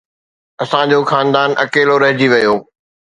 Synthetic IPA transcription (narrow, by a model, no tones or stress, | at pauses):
ɐsãd͡ʑoːxaːnd̪aːnʔɐkeːloɾɐɦɪd͡ʑiʋɐjoː